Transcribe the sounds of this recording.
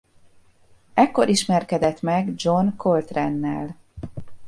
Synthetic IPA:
ɛkːoɾiʃmɛrkɛd̪ɛt̪mɛɡd͡ʒo̞nkolt̪rɛnːɛ̰l

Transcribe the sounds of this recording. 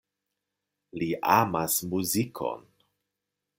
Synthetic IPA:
liʔamasmuzikʰo̰n

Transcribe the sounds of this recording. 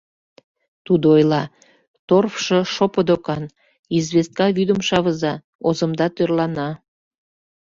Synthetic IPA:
t̪ud̪oojlɑ | t̪orfʃəʃopəd̪okɑn | izβest̪̚kɑβyd̪əmʃɑβəzɑ | ozəmd̪ɑt̪ørlɑnɑ

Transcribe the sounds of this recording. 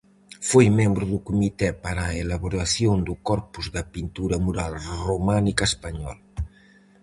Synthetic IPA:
fojmembɾuðukumit̪ɛpaɾaelaβuɾaθjond̪ukɔɾpuzðɐpint̪uɾɐmuɾalrumanikaspaɲɔ̰l

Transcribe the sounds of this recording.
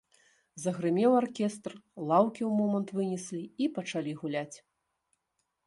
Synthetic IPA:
zɐɣɾɨmʲɛwarkʲɛst̪rlˠawkʲiwmɔmɐnt̪vɨnʲɛsʲlʲiipɐt͡ʂalʲiɣulʲat͡sʲ

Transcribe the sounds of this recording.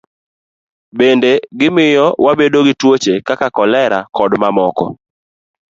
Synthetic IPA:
bendeɡɪmɪjɔwabedoɡɪtwot͡ʃekakakɔlɛɾakɔdmamɔkɔ̰

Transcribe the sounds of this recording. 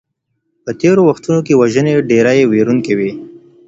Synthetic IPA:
pət̪eɾowaxt̪unokewaʒəneɖeɾajeweɾuŋkewi

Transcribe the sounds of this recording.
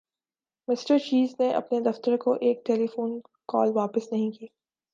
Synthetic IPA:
mɪsʈəɾt͡ʃiːzneʔɐ̰pned̪ɐft̪əɾkoʔeːk̚ʈɛːlifuːn | kɔ̰ːlʋaːpɪsnɐɦĩkiː

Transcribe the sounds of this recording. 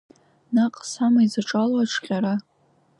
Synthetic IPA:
naqʼsamaizaʈ͡ʂʼalwaʈ͡ʂʰqʲʼaɾa

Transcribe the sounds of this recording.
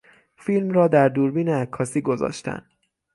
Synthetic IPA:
fiːlmrɒːd̪æɾd̪uːɾbiːneækʰːɒːsiːɡo̞zɒ̰ːʃt̪æ̰nd̪

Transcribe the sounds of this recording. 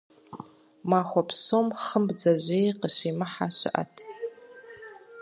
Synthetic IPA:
maχʷapʰsomχəmbd͡zaʒʷeqəʃʷimɨħaʃʷɪ̰ʔa̰tʰ

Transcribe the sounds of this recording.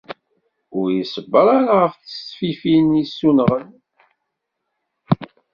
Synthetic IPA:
ʊɾjisəbːəɾˤaɾaʁəfθəsːfifinisːunʁən

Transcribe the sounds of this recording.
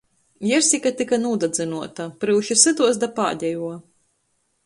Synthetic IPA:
jɛɾsʲikat̪ikanuːd̪ad̪zɨnuɔt̪apɾɨwʃisɨd̪uɔsd̪apa̰ːɟ̪ʲɛjuɔ

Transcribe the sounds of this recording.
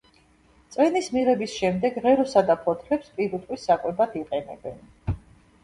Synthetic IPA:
t̪sʼwɛnismiʁɛbisʃɛmd̪ɛɡʁɛɾɔsad̪apʰɔt̪ʰlɛpspʼiɾut̪ʼwisakʼwɛbad̪ʰiqʼɛnɛ̰bɛn

